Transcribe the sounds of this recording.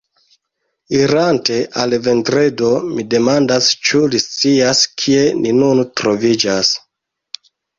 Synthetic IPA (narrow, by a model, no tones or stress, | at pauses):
iɾante̞ʔalve̞ndɾedo̞mide̞mandast͡ʃulist͡siaskʰie̞nʔinuntɾo̞vid͡ʒas